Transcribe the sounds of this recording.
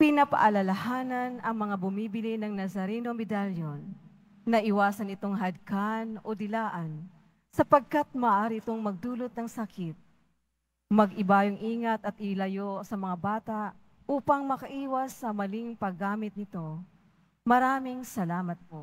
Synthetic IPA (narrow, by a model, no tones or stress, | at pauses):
pɪnɐpɐ̰ʔɐlɐlɐhaːnɐnɐŋmɐŋabʊmiːbɪlɪnɐŋnɐzɐɾɛnomɛd̪aljonː | ɐʔɪwaːsɐnɪt̪o̞ŋɦɐd̪̚kanod̪ɪlaːʔɐn | sɐpɐɡ̚kat̪̚mɐʔaːɾiɪt̪oŋmɐɡ̚d̪uːlot̪̚nɐŋsɐkɪt̪̚ | mɐɡʔɪbaːjoŋʔiːŋɐt̪ɐt̪ɪlɐjosɐmɐŋabaːt̪aʔ | ʔuːpɐŋmɐkɐʔiːwɐsːɐmɐliŋpɐɡaːmɪt̪̚nɪt̪o̞ | mɐɾaːmɪŋsɐlaːmɐt̪̚poʔ